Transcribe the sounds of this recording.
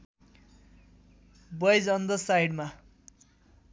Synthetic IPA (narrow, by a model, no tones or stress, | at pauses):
bʌjd͡zʌnd̪ʌsajɽma